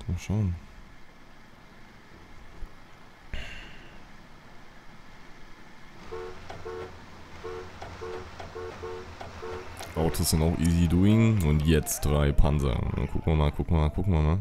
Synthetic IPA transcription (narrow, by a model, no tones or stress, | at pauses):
d̥oʃoʊn | ʔaʊtʰosz̥ɪntaʊxʔiːziduːɪŋʊntjɛt͡std̥ʁaɪpʰa̰nzɐ̰ʊ̰nda̰nkʰʊkŋ̩viɐmaːlkʰʊkŋ̩maːlkʰʊkŋ̩viɐmaːl